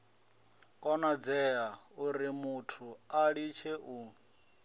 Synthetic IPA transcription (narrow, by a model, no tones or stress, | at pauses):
kʼɔnad͡zɛauɾimutʰuaɺit͡ʃʰeʔu